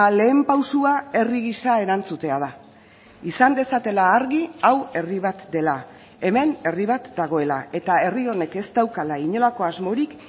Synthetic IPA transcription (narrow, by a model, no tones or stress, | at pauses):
le̞ːmpawsuae̞riɣisae̞ɾant͡sut̪e̞að̞a | isand̪e̞sat̪e̞laːɾɣiawe̞riβ̞at̪d̪e̞la | e̞me̞ne̞riβ̞at̪d̪aɣ̞o̞e̞la̰e̞t̪ae̞rio̞ne̞ke̞st̪awkalaiɲo̞lako̞azmo̞ɾik